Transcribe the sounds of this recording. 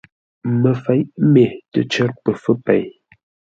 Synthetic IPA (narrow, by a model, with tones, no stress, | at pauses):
mə˨fɛ˨˦jʔme˨tə̰˨t͡ʃə˦tpə˨fə˦pɛ̰˨j